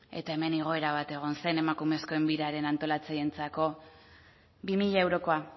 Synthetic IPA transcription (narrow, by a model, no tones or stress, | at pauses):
e̞t̪ae̞me̞niɣ̞o̞e̞ɾaβ̞at̪e̞ɣ̞o̞nse̞ne̞makume̞sko̞embiɾaɾe̞nant̪o̞lat͡saje̞nt͡sako̞ | bimiʎaewɾo̞ko̞a